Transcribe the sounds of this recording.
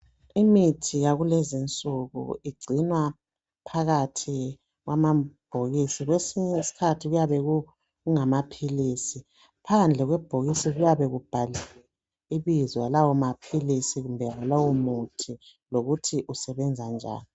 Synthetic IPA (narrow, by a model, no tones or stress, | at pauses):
imitʰiɣaɣulɛzint͡sʼuɣṵiɡ͡ǀʱinwa | pʰaɣatʰi | ɣwamab̥ʱoɣisiɣwesiɲɛsi̥kʰatʰiɣujaβɛɣu | uŋamapʰilisi | pʰand͡ɮʱɛɣwɛb̥ʱoɣisiɣujaβɛɣub̥ʱaliɛ | iβizwalawɔmapʰilisiɣumbʱɛwalawomutʰiloɣutʰiʔusɛβɛnd͡zʱand͡ʒʱa̰ːni